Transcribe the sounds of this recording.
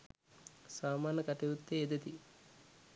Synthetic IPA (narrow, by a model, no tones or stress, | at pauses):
saːmaːnəkaʈeʋut̪ːeːd̪et̪i